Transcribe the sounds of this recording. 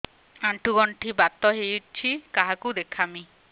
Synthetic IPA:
aɳʈʰuɡɔɳʈʰibat̪ːɔɦejut͡ʃʰikaɦakud̪ekʰami

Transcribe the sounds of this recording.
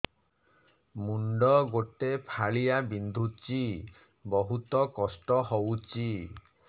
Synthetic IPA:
muɳɖɔɡoʈepʰaɭijabind̪ʱut͡ʃi | bɔɦut̪ɔkɔsʈɔɦowt͡ʃi

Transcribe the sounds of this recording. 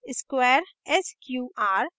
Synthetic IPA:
ɪskwɛːɾɛskjuːʔaːɾ

